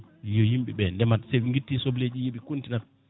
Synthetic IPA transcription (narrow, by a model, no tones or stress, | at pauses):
jɔjimɓɛ̰ɓɛndɛmatsɛɓiŋɡitːisobled͡ʒijiɓikuntinat